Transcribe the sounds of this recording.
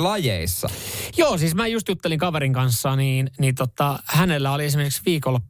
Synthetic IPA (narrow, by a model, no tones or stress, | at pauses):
lɑjḛisːɑ̰joːsiːsmæːjust̪jut̪ːeliŋkɑʋeɾiŋkɑnsːɑːniːnnit̪ot̪ːɑhænelːæolies̬imerkiksʋiːkolː